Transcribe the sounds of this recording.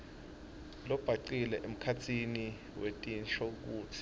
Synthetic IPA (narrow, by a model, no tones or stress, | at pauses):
lɔb̥ʱaǀilɛʔem̩kʰat͡sʰini | wetʼinʃɔuk̬uːt͡sʰi̥